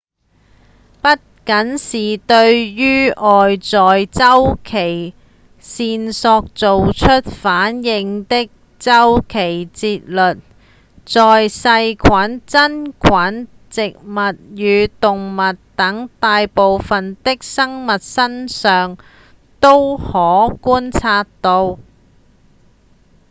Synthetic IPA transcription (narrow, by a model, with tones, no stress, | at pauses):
pɐ˥t̚kɐ˨˥nsiː˨t̪ɵ˧ɥjyː˥ʔɔː˨jt͡sɔː˨jt͡sɐ˥wkʰe˨˩j | siː˧nsɔː˧k̚t͡so˨wt͡ʃʰɵ˥t̚faː˨˥njɪ˨˧ŋt̪ɪ˥k̚ | t͡sɐ˥wkʰe˨˩jt͡siː˧t̚lɵ˨t̚ | t͡sɔː˨jsɐ˧jkʰaː˨˥nt͡sɐ˥nkʰaː˨˥n | t͡sɪ˨k̚mɐ˨t̚jyː˨˧t̪ʊ˨ŋmɐ˨tt̪ɐ˨˥ŋt̪aː˨˧jpo˨wfɐ˨nt̪ɪ˥k̚sɐ˥ŋmɐ˨t̚sɐ˥nsœː˨ŋ | t̪o˥whɔː˨˥kuː˥nt͡sʰaː˧tt̪o˧w